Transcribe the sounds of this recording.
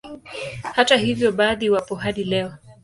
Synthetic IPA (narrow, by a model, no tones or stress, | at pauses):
hatahivjɔɓaːðiwapɔɦaɗilɛɔ